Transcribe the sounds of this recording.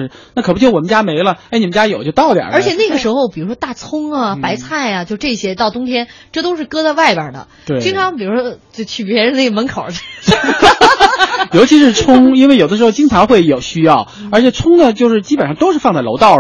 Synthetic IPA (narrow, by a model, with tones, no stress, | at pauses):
ɻ̩˧˥ | na˥˩kʰɤ˨˩pu˥t͡ɕjwɔ˨˩m˦nt͡ɕja˥me˧˥ɪlə˧˥ɪni˩ə˦nt͡ɕja˥jo˨˩ʊt͡ɕo˥˧t̪ɑ˥˩ʊt̪j̰ə˞˧˥t͡ɕʰjɛ˨˩na˥˩ɡə˩ʂɻ̩˧˥xo˧ʊpi˨˩ɻu˧˥ʂwɔ˥t̪a˥˩t͡sʰʊ˥ŋɐ˨pa˧˥ɪt͡sʰa˥˩ɪɐ˩t͡ɕjo˥˧ʂʈ͡ʂɤ˥˩ɕjɛ˥t̪ɑ˥˩ʊt̪ʊ˥ŋt̪ʰjɛ˥nʈ͡ʂɤ˥˧t̪o˥ʊʂɻ̩˥˩kɤ˥d̪ə˧wa˥˩ɪbə̰˞˨˩d̪ə̰˩ | t̪we˧˥t͡ɕi˥ŋʈ͡ʂʰɑ˧˥ŋpi˨˩ɻu˧˥ʂwɔ˥ | o˥˩t͡ɕʰy˥˩pjɛ˧˥ɻə˧ne˥˩ə˩mə˧˥nkʰo˨˩ʊ˥ | jo˧˥t͡ɕʰi˧˥ʂɻ̩˥˩t͡sʰʊ˥ŋi˥nwe˥˩ɪjo˨˩ʊəʂɻ̩˧˥xo˥˧ʊt͡ɕi˥ŋt͡sʈ͡ʂʰɑ˧˥ŋxwe˥˩ɪjo˨˩ʊɕy˥jɑ˥˩ʊə˞˧˥t͡ɕʰjɛ˨˩t͡sʰʊ˥ŋd̪ə˨t͡ɕjo˥˧ʊʂɻ̩˥˩t͡ɕi˥pə˨nʂɑ˥˩ŋt̪o˥ʊʂɻ̩˥˧fɑ˥˧ŋt͡sa˥˩lo̰˧˥ʊt̪ɑ˥˩ʊ